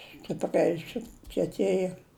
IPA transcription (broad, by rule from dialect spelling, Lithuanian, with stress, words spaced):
sʲtʲɪpʲˈrʲɛɪ sʊkʲiɛˈtʲeːjɛ